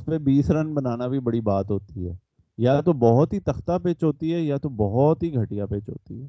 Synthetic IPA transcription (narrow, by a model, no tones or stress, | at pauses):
spebiːsɾɐnbɐnaːnabʱibɐɽibaːt̪ɦoːt̪iɦɛ̰ː | jat̪obɔɦɔt̪ɦit̪ɐxt̪apeːt͡ʃɦoːt̪iɦɛjat̪obɔɦɔt̪ɦiɡʱɐʈijapeːt͡ʃɦo̰ːt̪iɦɛː